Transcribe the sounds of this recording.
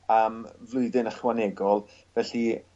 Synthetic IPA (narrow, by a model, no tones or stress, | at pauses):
əːmvlˠʊɨðɨnəχwanɛɡɔlˠ | vɛɬi